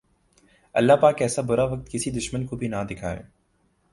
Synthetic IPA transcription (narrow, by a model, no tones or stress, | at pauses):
ɐ̰lːapaːkɛːsabʊɾaʋɐk̚t̪kɪsid̪ʊʃmənkobʱinãd̪ɪkʰa̰ːḛː